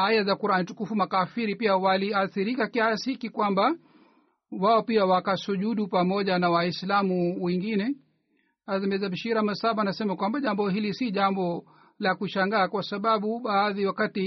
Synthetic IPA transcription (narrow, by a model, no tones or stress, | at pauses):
ajazakuɾanitukufumakafiɾipiawaliaθiɾikakiasiikikwamba | waɔpiawakasuʄuɗupamɔʄanawaislamuwɛŋɡinɛ | azamɛzaɓiʃiɾamasaɓanasɛmakwambaʄambɔɦilisiʄambɔ | lakuʃaŋɡaːkwasaɓaɓuɓaːðiwakati